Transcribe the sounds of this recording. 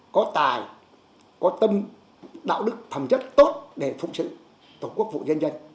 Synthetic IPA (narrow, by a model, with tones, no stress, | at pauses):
kɔ˨˦t̪aː˨˩j | kɔ˨˦t̪ə˧m | ɗa̰ː˧˨wɗɨ˦˥k̚t̪ʰə˨˩mt͡ɕə˦˥t̚t̪o˦˥t̚ɗe˧˩fʊ̰˧˨k͡p̚sɨ̰˧˨ | t̪o˧˩ku˦˥ək̚vṵ˧˨zə˧nza˧jŋ̟